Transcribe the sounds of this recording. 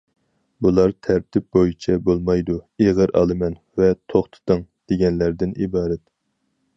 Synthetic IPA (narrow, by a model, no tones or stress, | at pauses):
bulˠɑɾt̪ʰæɾt̪ʰɪp̚bojit͡ʃʰɛbolˠmɑjd̪ueʁəɾʔɑ̰lˠɨmɛn | vɛt̪ʰoχt̪ʰɨ̥t̪ɨŋd̪̥eɡʲɛnlæɾd̪ɪnḭbɑːɾɛt̪